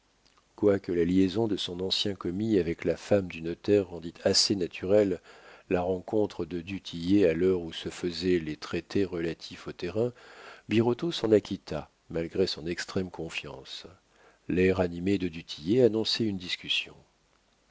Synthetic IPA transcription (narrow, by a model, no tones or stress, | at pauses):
kwakəlaljezɔ̃d̪əsɔ̃nɑ̃sjɛ̃kɔmiavɛklafamd̪ynɔt̪ɛʁːɑ̃d̪it̪ʰasenat̪ʰyʁɛlːaʁɑ̃kɔ̃t̪χəd̪əd̪yt̪ʰijealœʁusəfəzɛlet̪χet̪eʁəlat̪ʰifot̪eʁɛ̃biʁɔt̪osɑ̃nakʲit̪ʰa | malɡʁesɔ̃nɛkst̪χɛmkɔ̃fjɑ̰̃s | lɛʁanimed̪əd̪yt̪ʰijeanɔ̃sɛynd̪iskʲysjɔ̰̃